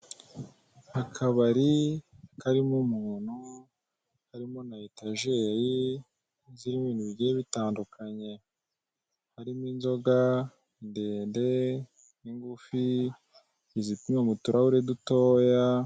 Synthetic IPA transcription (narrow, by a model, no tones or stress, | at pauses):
hakʰaβaɾikaɾimumuːn̤̥hu | haɾimonaetaʒeji | ziɾimiːnuβiɟeeβitaːndukʰaɲe̞ | haɾimwinzo̞ɡa | inde̞ːnde̞ | iŋɡufi | izitumemutuɾahuɾeduto̞ːja